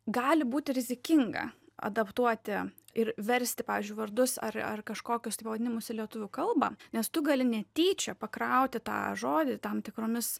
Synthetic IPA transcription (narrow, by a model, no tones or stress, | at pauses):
ɡɑːlʲɪbuːt̪ʲɪɾʲɪzʲɪkʲɪŋɡɐ̰ɐ̰d̪ɐpt̪uɔt̪ʲɪ | ɪɾʋʲɛɾʲsʲt̪ʲɪpɑːʋʲiːzʲd͡ʒʊɪʋɐɾd̪ʊsɐ̰rɐ̰rkɐʃkoːkʲʊst̪ɐɪpɐʋɐd̪ʲɪnʲɪmʊsɪlʲiɛt̪ʊʋʲʊkɐlˠbɑ̰ːnʲɛst̪ʊɡɐlʲɪnʲɛt̪ʲiːt͡ʃʲɛpɐkɾɐʊt̪ʲɪt̪ɑ̰ːʒoːd̪ʲɪt̪ɐmt̪ʲɪkɾoːmʲɪs